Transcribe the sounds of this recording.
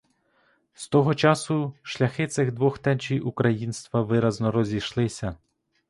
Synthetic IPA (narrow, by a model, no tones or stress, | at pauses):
st̪ɔɦɔt͡ʃɑsʊʃlʲɐxɪt̪sɪɣd̪ʋɔxt̪ɛnt͡ʃijukɾɐjinst̪ʋɐʋɪɾɐznɔɾɔzʲiʃlˠɪsʲɐ